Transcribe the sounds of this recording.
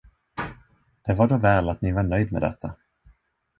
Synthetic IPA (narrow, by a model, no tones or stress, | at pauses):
d̪̥ɛvaɖoːvɛːlat̪nɪvaɳœjd̪mɛ̰d̪ɛ̰t̪ʰːa